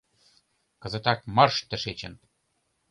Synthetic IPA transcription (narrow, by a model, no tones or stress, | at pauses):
kɤ̆zə̆t̪ɑk̚mɤ̆rʃt̪ə̆ʃet͡ɕə̆n